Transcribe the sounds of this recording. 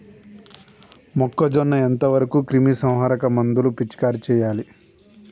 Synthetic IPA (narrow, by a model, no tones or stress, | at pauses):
mɔkːɐd͡ʒɔnːɐent̪ɐʋɐɾɐkuːkɾimisɐ̃w̃ɦaːɾɐkɐmɐnd̪ulupit͡ʃːkaːɾit͡ʃɛːjaːli